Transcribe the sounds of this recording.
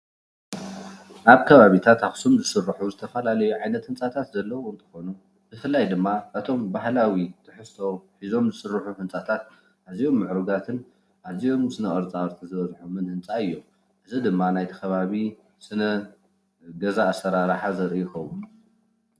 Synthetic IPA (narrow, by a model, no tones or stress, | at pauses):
ʔaβkʰɐβaβit̪ʰat̪afsomzɨsɨrːɨħuzɨt̪ʰɐfɐlalɐjuʕajnɐt̪hɨnt͡sʼat̪ʰat̪zɐlːɐwoɨnt̪ʰɨ̥xo̞nu | b̥ɨfɨlːajd̪ɨmːaʔɨt̪ʰo̞mbaɦlawit̪ʰɨħɨsʰo̞ħizo̞mzɨsɨrːɨħuħɨnt͡sʼat̪ʰat̪̚ | ʔaβzijo̞mːɨʕɾuɡat̪ʰɨn | ʔazijo̞msɨnɐʔʼɨɾt͡sʼaɾt̪ʰizɨβɐzħumɨnhɨnt͡sʼaɨjːo̞ | ʔɨzid̪ɨmːanajt̪ʰi̥kʰɐβaβi | sɨnɐ | ɡɐzaːsɐɾaɾaħazɐɾijɪxɐwun